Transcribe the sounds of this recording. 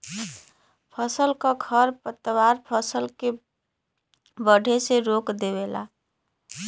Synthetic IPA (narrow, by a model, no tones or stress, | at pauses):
pʰəsəlkaɡʰʱəɾpət̪ːəwaɾpʰəsəlke | bəɽʱeseɾokd̪ebela̰